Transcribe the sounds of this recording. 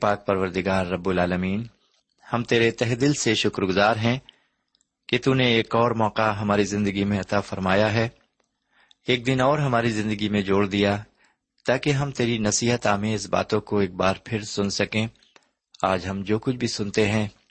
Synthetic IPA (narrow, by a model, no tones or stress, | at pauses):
paːk̚pɐɾʋəɾd̪ɪɡaːɾːɐbːʊlaːləmiːn | hɐmt̪eːɾet̪ɛɦd̪ɪlseʃʊkɾɡʊzaːɾɦɛ̃ | ket̪unẽeːkɔːɾmɔːqaɦɐmaːɾizɪ̃nd̪əɡimẽɐt̪afɐɾmaːjaɦɛː | eːk̚d̪ɪnɔːɾɦɐmaːɾizɪ̃nd̪əɡimẽd͡ʒoːɽd̪ija | t̪aːkeɦɐmt̪eːɾinɐsiːɦət̪aːmẽɪs̬ba̰ːt̪õkoeːk̚baːɾpʰɪɾsʊnsɐkẽ | aːd͡ʒɦɐmd͡ʒoːkʊt͡ʃʰbʱisʊnt̪eɦɛ̃ː